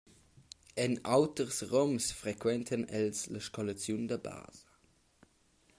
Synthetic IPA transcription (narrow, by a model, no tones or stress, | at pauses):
ɛnɑʊtəʁsʁɔmsfʁekʰwɛntʰənɛlsləʃkɔlat͡sjundɐba̰ːz̥ə